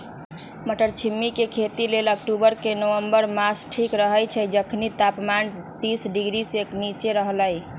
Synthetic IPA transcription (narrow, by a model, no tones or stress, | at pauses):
məʈəɾt͡ʃʰimːikekʰet̪ilelək̚ʈubəɾkenəwəmbəɾmasʈʰikɾəɦəjt͡ʃʰəd͡ʒəkʰnit̪apman | t̪isɖiɡɾiseknit͡ʃeɾəɦləj